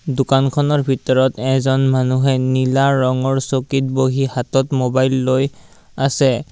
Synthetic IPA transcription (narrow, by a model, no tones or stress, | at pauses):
dʊkankʰɔnɔɹbʱitɔɹɔtɛzɔnmanuɦɛnilaɹɔŋɔɹsokit̚boɦihatɔtmobajlːoj | asɛ